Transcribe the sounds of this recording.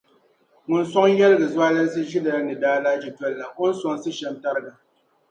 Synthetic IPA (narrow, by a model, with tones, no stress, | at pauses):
ŋʊ˨n̩˦sɔ˦ŋ˦jɛ˦lɨ˦ɡɨ˨zwaː˦lɨ˦n˦sɨ˦ʒi˦da˨˦nɨ˨daː˦la˦d͡ʒi˨tɛ˦lːa˨ʔo˦n̩˦sɔ˨ŋ˨sɨ˦ʃɛ˨˦nta˦ɾɨ˦ɡa˨